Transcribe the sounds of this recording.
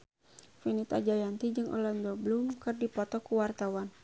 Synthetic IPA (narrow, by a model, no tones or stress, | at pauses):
finit̪ad͡ʒajant̪id͡ʒɨŋʔɔ̰landɔbəlumkɨrdipɔt̪ɔkuwart̪awan